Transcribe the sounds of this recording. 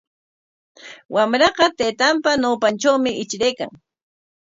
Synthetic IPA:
wamɾɑqɑt̪eːt̪ampanawpanʈ͡ʂawmɪɪt͡ʃɾejka̰ŋ

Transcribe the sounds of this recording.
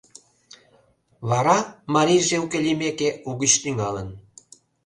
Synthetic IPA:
βɑɾɑmɑɾijʒeukelʲimekeuɣət͡ɕt̪yŋɑlən

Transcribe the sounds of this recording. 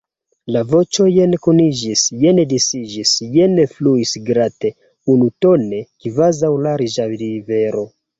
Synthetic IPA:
lavo̞t͡ʃo̞jenkunid͡ʒisjenedisid͡ʒisjenefluisɡɾate̞ | unuto̞ne̞kivazawlaɾiʒalive̞ɾo̞

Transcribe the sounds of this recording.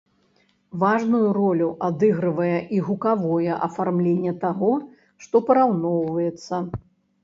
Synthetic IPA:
vaʐnujuɾɔlʲuʔad̪ɨɣɾɨvɐjɐʔiɣukavɔjɛʔɐfarmlʲenʲːɐt̪aɣɔ | ʂt̪ɔpɐɾawnɔwvɐjɛt̪sːɐ

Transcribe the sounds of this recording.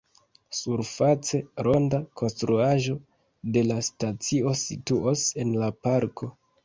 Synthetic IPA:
suɾfat͡se̞ɾo̞ndakʰo̞nstɾuaʒo̞ | de̞lastat͡sio̞situose̞nlapaɾkʰo̞

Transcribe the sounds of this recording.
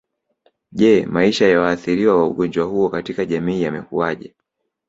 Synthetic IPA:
ʄɛmaiʃajawaːθiɾiwawaṵɠɔnd͡ʒwahuɔkatikaʄamiːjamɛkuaʄɛ

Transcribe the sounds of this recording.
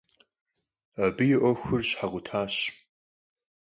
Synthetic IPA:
abɨjɪʔʷɔxʷʊrɕħaʁʷʊtʰaːɕ

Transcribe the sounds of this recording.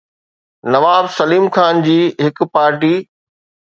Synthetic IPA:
nɐʋaːbsɐliːmxʰaːnd͡ʑiːɦɪkpaːɾʈiː

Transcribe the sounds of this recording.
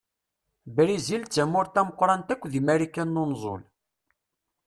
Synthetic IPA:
bɾizilt͡sːæmʊɾt̪æməqːɾˤɑnt̪ækʷːðimæɾikænːonzˤo̰l

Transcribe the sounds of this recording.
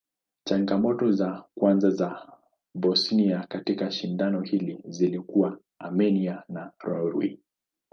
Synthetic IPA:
t͡ʃaŋɡamɔtɔzakwanzaza | bɔsniakatikaʃindanɔhilizilikuwa | amɛnianaɾɔɾwḭ

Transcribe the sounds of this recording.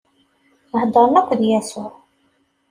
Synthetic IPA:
nhd̪ˤəɾˤnækʷːðjæsʊʕ

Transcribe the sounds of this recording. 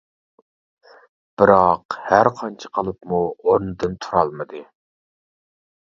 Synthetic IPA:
b̥ɪɾɑqhæɾqʰɑnt͡ʃʰə̥qʰəlˠɨpmuoɾnɨd̪ɨnt̪ʰuɾɑlˠmɨd̪ɨ

